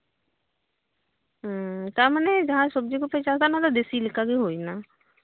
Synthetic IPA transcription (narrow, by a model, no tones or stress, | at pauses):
t̪aməneːd͡ʒəɦãːsʊb̚d͡ʒeːkoːpɾet͡ʃaːt̪anãːt̪ad̪esiːlɪkːaːɡeːɦoːiːnaː